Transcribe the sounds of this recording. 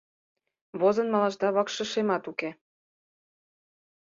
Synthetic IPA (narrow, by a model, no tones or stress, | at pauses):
βozɤ̆nmɑlɑʒd̪ɑβɑkʃə̆ʃemɑt̪uke